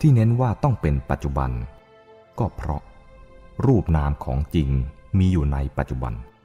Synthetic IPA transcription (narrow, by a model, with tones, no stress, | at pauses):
t̪ʰiː˥˩ne˦˥nwaː˥˩t̪ɔ˥˩ŋpe˧npa˨˩t̪̚t͡ɕu˨˩ba̰˧n | kɔː˥˩pʰɾɔ̰˦˥ʔ | ɾuː˥˩p̚naː˦˥mkʰɔ̰ː˩˦ŋt͡ɕi˧ŋmiː˧juː˨˩na˧jpa˨˩t̪̚t͡ɕu˨˩ba̰˧n